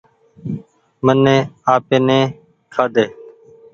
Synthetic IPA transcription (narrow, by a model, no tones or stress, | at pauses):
mənːẽːaːpeːnẽː | kʰaːd̪eː